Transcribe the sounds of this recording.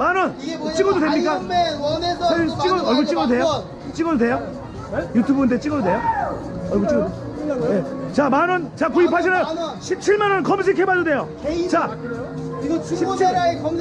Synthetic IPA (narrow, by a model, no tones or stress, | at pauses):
manʌnt͡ɕ͈iɡododwemɲik͈a | aɯnt͡ɕ͈iɡʌʌɭɡot͡ɕ͈iɡʌdodwe̞jo | t͡ɕ͈iɡʌdodwe̞jo | jutʰubɯndet͡ɕ͈iɡʌdode̞jo | ʌɭɡot͡ɕ͈iɡojet͡ɕamanʌnt͡ɕakuipʰaɕ̬ʰinajoɕʰip̚t͡ɕʰiɭmanʌnkʌms̬ʰikʰebaode̞jo | t͡ɕa | ɕʰi